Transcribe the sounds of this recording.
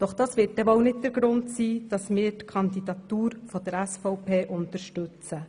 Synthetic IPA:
d̥ɔχd̥ɑːsʋɪːt̚d̥ɛʋɔwnɪt̚d̪əɾɡɾʊntsiːd̥ɑsmɪːɾtkʰɑnd̪idɑt̪uːɾfɔd̥̪əɾɛsfɔʊpʰeːʔʊnt̪əɾʃtɵt͡sə

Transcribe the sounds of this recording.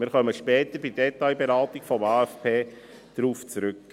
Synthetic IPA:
mɪɾχœməʃpɛːt̪əbɪdɛtaɪbeɾɑːt̪ikfɔmɑːæfpʰeː | d̥ɾuːft͡sɾʏkː

